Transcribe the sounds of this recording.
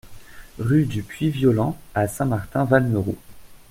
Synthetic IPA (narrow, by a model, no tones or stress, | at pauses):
ʁyd̪ypɥivjɔlɑ̃asɛ̃maʁt̪ɛ̃valməʁṵ